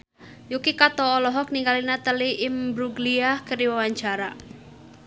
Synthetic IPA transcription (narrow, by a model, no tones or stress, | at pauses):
jukikat̪ɔːlɔɦɔk̚niŋɡalinat̪əliʔɪmbɾuɡliahkəɾiwawaɲt͡ʃaɾa